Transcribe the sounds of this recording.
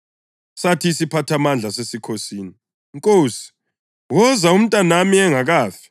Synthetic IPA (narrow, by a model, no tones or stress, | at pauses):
satʰiːsipʰatʰamand͡ɮʱasesikʰosiːni | ŋkʼoːsi̥ | wɔzaum̩tʼanamiɛŋaɣaːfi̥